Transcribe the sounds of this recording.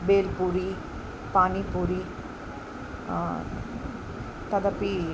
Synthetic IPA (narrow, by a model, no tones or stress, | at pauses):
beːlpuɾi | paːnipuɾi | t̪ɐðɐpːi